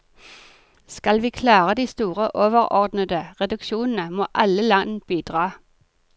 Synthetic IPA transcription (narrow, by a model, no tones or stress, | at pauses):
skɑlʋiːkʰlɑːʁəd̪iːst̪uːʁəʔoːʋəʁɔʁd̪nəd̪əʁɛd̪ʉkʃuːnn̩əmoːʔɑləlɑnb̥iːd̪̥ʁɑː